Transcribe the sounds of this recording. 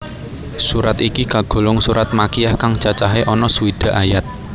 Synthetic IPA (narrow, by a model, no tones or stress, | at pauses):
suɾat̪ikikaɡ̥o̤lʊŋsuɾat̪̚makijahkaŋt͡ʃat͡ʃaɦeʔɔnɔsuwid̪̥a̤ʔajat̪̚